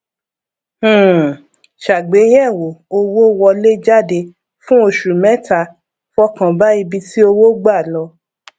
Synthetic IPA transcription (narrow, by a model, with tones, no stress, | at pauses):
ʃa˨ɡ͡be˨˦j̃ɛ̃˦˨wo˨o˧wo˦wɔ˧le˦d͡ʒa˦˨de˧ | fũ˦o˧ʃu˨mɛ̃˨˦ta˧ | fɔ˦kã˧ba˦i˧bi˧ti˦o˧wo˦ɡ͡ba˦˨lɔ˧